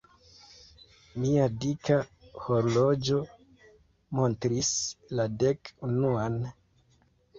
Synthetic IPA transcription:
miadikahoɾlo̞d͡ʒo̞ | mo̞ntɾislade̞kunuan

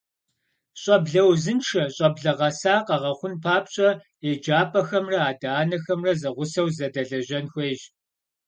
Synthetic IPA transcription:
ɕʼɐbɮɐwzɨnʈ͡ʂʰɐɕʼɐbɮɐʁɐsaːqɐʁɐχʷʊnpʰaːpɕʼɐ | eːd͡ʒaːpʼɐxɐmrɐaːdaːnɐxɐmrɐzɐʁʷʊsɐwzɐdɐɮɐʑɐnxʷejʒ

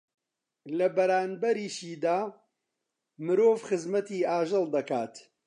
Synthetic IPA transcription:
lɐbɐɾaːnbɐɾiːʃiːd̪aː | mɨɾoːvxɨzmɐt̪iːaːʒɨlˠd̪ɐkaːt̪

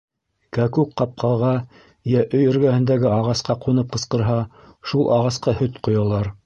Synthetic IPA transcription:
kækukqːɑp̚qʰɑlˠʁɑ | jæʔɵjɵ̆ɾɡæhɘ̆nd̪æɡɘɑʁɑsqɑqunɤp̚qɤ̆sqɤ̆ɾɦɑ | ʃulˠʔɑ̰ʁɑsqɑhɵt̪qŏjɑlˠɑɾ

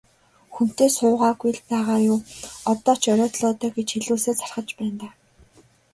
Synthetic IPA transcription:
xun̥t̪eːsʊːʁaːɡuj̆ɮpæːʁaːjʊːɔt̪ɔːt͡ɕʰɔɾʲɔːt̪ɮɔːt̪œːɡet͡ɕxeɮuːseːt͡sʰarχə̆t͡ɕpæːnt̪aː

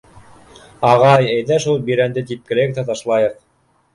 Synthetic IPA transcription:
ɑʁɑjæjðæʃulˠbiɾænd̪ɘt̪ip̚kɘ̆læjɘkt̪æt̪ɑʃlˠɑjɤq̚

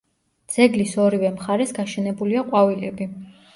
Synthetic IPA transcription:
d̪z̥ɛɡlisɔɾivɛmχaɾɛsɡaʃɛnɛbuliaqʼwavilɛbi

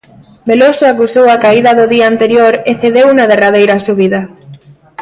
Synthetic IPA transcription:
belosoakusowakaiðɐðʊðiaːnt̪eɾjoɾeθeðewunað̞erað̞ejɾasuβ̞iðɐ

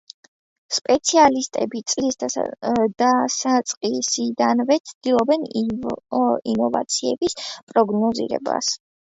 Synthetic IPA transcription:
spʼɛt̪sʰialist̪ʼɛbit̪sʼlisd̪ | d̪̥asat̪sʼqʼisid̪anvɛt̪sʰd̪̥ilˠɔbɛn | inɔva̰t̪sʰiɛbispʼɾɔɡnɔzḭɾɛ̰ba̰s

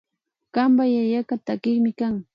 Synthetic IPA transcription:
kambajajakat̪akɪχmɪkaŋ

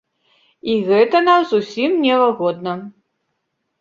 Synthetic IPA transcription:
iɣɛt̪ɐnamzusʲimnʲɛvaɣɔd̪̚nɐ

